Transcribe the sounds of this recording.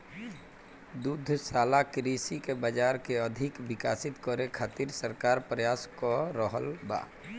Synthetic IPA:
d̪ud̪ʱsaːlakɾisikebəd͡ʒaɾkeəd̪ʱikʋikasit̪kɔɾekʰat̪iɾsəɾkaɾpɾəjaskɔɾəɦəlba̰ː

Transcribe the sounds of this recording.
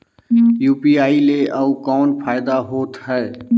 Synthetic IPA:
juːpiaːileʔəkɔːnpʰaːɪd̪aɦoːt̪ɦɛː

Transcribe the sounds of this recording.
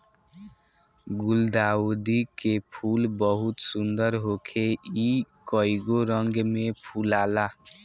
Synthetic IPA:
ɡuld̪aud̪ikepʰulbʌɦut̪sund̪ʌɾɦokʰeikʌiɡoɾʌŋɡmepʰulala

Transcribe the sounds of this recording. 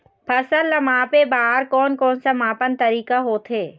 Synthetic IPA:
pʰɐsəɾləmãːpebaːɦɾkɔːnkɔːnsəmaːpənt̪ɐɾiːkaɦoːt̪ʰɦeː

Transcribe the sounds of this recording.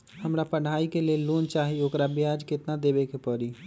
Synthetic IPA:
həmɾapəɽ̤aːikeleloːnt͡ʃaːɦioːkɾabjaːd͡ʒkɪt̪nad̪eːbekepəɾi

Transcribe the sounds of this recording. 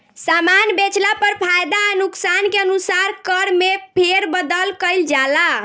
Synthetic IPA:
samanbet͡ʃlapəɾpʰajd̪anuksankeənusaɾkəɾmepʰeɾbəd̪əlkəjld͡ʒala

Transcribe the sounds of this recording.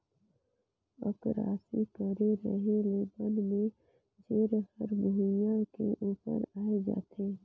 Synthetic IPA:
ə̰kɾa̰ːsikəɾeɾə̰ɦeleːb̪ənmẽ | d͡ʒeːɾhəɾbʱujãkeʔuːpə̰ɾaːed͡ʒa̰ːt̪ʰeː

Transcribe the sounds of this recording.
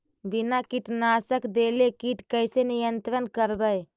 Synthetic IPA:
binakiʈnaːsəkd̪elekiʈkəɪsenijənt̪ɾənkəɾd̪əj

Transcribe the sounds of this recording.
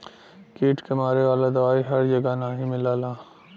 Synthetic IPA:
kiːʈʰkemaːɾeʋaːlad̪ɐʋaːiɦɐɾd͡ʒɐɡanaːɦĩmɪlaːlaː

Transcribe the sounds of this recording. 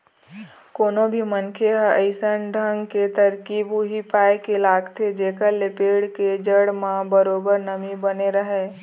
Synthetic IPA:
koːnobʱimənkʰeɦəəɪsənɖʱəŋɡket̪əɾkibuɦipaːjekelaːɡt̪ʰed͡ʒeːkəlepeːɽked͡ʒəɽmãbəɾoːbəɾnəmibəneɾəɦeː

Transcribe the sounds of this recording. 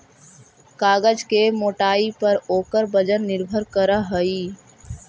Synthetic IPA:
kaːɡəd͡ʒkemoːʈaːipəɾoːkəɾbəd͡ʒənnɪɾbʱəɾkəɾaɦəiː

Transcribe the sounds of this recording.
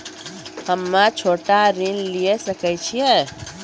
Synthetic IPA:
həmːãt͡ʃʰoʈaɾinlijesəkɛt͡ʃʰijɛ

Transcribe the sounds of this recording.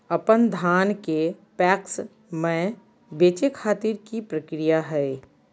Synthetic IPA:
ɐpənd̪ʱaːnkepɛːks | mẽ | beːt͡ʃekʰaːt̪iːɾkipɾəkɾɪjaɦɛe

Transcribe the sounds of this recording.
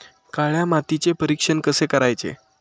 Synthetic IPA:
kaɭjamat̪it͡sepəɾikʂənkəsekəɾajt͡sḛ

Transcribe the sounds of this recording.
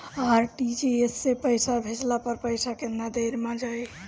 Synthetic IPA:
aɾʈid͡ʒeesːepəjsabʱet͡ʃlapəɾpəjsakenad̪eɾmad͡ʒaj

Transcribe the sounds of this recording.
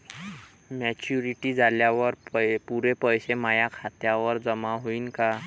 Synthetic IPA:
mɛt͡ɕuɾiʈiːd͡zaljaʋəɾpuɾepəjsemajakʰat̪jaʋəɾd͡zəmaɦoiːnka

